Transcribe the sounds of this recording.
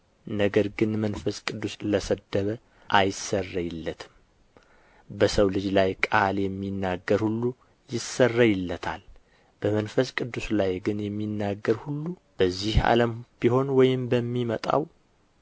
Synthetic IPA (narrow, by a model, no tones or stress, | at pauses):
nəɡəɾɡɨnmənfəskʼɨd̪ːusləsəd̪ːəβə | ʔajɪsərːəjɪlːət̪ʰɨm | bəsəwlɨd͡ʒlajkʼaljɛmːinːaɡəɾhulːu | jɪsərːajɪlːət̪ʰa̰l | b̥əmənfəskʼɨd̪ːuslajɡɨnjɛmːinːaɡːəɾhulːub̥əzːiha̰ləmb̥iho̞nwɔjɪmbəmːimət̪ʼa̰w